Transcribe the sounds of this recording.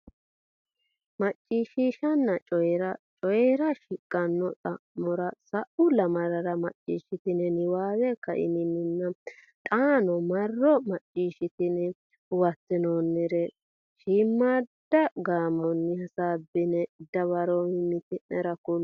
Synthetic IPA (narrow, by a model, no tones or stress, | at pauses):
mɐt͡ʃʼːiːʃiːʃɐnːɐt͡ʃʼɔjɛɾɐt͡ʃʼɔjɛɾɐʃɪkʼːɐnːɔt̪ʼɐmɔɾɐsɐʔʊlɐmɐɾɐɾɐmɐt͡ʃʼːḭːʃɪt̪ɪnɛnɪwaːwɛkɐʔɪ̰nɪnɪnːɐ | t̪ʼaːnɔmɐrːɔmɐt͡ʃʼːiːʃɪt̪ɪnɛ | wɐt̪ːɪnoːnːɛɾɛ | ʃiːmːad̪ːɐɡaːmɔnːɪhɐsaːbɪnɛd̪ɐβɐɾɔhɪmɪt̪ɪnɛɾɐkʊl